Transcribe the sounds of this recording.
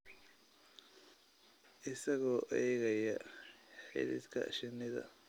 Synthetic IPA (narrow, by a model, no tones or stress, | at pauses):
ʔɪsɐɣɔːʔɛːɣɐjɐħɪ̰ðɪ̰d̪kʰɐ̰ʃɪnɪðɐ̰